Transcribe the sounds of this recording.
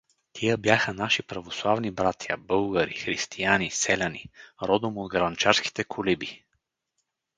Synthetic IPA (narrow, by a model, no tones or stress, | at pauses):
t̪ʰijəbjaxənaʃipɾɐvoslˠavnibɾat̪ʰjɐ̰bɤlˠɡəɾḭxɾist̪ʰijanisɛlʲaniɾɔd̪omod̪ɡɾɐnt͡ʃaɾski̥t̪ɛkʰolibi